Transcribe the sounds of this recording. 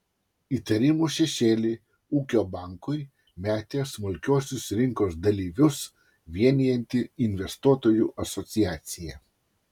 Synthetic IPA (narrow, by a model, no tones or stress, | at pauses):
it̪ɐɾʲɪmuːʃʲɛʃʲeːlʲɪ | uːkʲoːbɑˑŋkʊɪ | mʲæːt̪ʲeːsmʊlʲkʲoːsʲʊsɾʲɪŋkoːsd̪ɐlʲiːʋʲʊs | ʋʲiɛnʲijɛnʲt̪ʲɪɪnʲʋʲɛst̪uɔt̪oːjuːʔɐsɔt̪sʲijæːt̪sʲɪjɛ